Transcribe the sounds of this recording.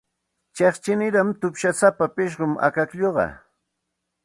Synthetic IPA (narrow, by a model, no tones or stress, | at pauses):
t͡ʃeχt͡ʃɪnɪɾamt̪ʊpʃasapapɪʃ̬ɢʊma̰kakʎoɢɑ̰